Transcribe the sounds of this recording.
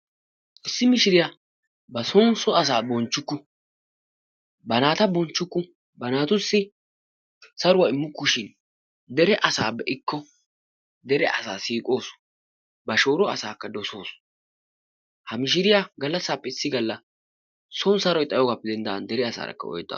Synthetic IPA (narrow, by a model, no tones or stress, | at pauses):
ʔɪsːɪmɪʃɪɾɪja | bɐsɔnsɔɐs̬aːbɔnt͡ʃːʊkːʊ | bɐnaːt̪ɐbɔnt͡ʃːʊkːʊ | bɐnaːt̪ʊsːɪ | sɐɾʊwɐɪmːʊkːʊʃɪn | d̪ɛɾɛʔɐsaːbːɛʔɪkːɔ | d̪ɛɾɛʔɐsa̰ːsiːkʼo̞ːs | bɐʃo̞ːɾɔɐsaːkːɐd̪ɔso̞ːs | hɐmɪʃ̬ɪɾɪjaɡɐlːɐsːaːpːɛɪsːɪɡɐlːɐ | sɔnsɐɾɔjt̪ʼɐjɔːɡaːpːɛd̪ɛnd̪ɐ̰nd̪ɛɾɛɐsa̰ːɾɐ̰kːɐ̰ɔ̰jt̪ʼːa̰